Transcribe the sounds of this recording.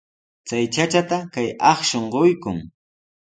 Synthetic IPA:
t͡sajt͡ʃat͡ʃat̪akajɑχʃoɴɢojkʊŋ

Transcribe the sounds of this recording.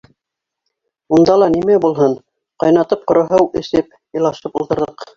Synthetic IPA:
und̪ɑlˠɑnimæbulˠɦɤn | qɑjnɑt̪ɤp̚qŏɾŏɦɤwɘ̆sɘp | ɤ̆lˠɑʃɤpulˠt̪ɤ̆ɾðɤq

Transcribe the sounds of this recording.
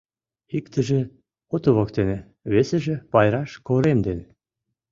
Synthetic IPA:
ikt̪ə̆ʒĕ | ot̪ŏβokt̪enĕ | βesĕʒĕpɑjɾɑʃkoɾemd̪en

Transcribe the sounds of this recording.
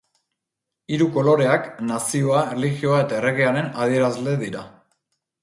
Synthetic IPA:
iɾuko̞lo̞ɾe̞aknasio̞aeliɣio̞ae̞t̪ae̞re̞ɣeaɾe̞nað̞ie̞ɾazle̞ðiɾa

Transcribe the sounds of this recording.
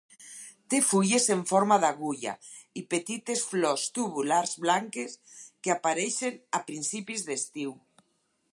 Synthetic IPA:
t̪efuʎeseɱfɔɾmaðaɣuʎa̰ipet̪it̪esflɔst̪uβulaɾzβlaŋkeskeapaɾejʃenapɾinsipizðest̪iw

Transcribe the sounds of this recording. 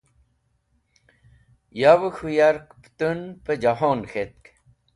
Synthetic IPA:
jawəxʰujaɾkpt̪unpəd͡ʑaɦoːnxʰet̪̚k

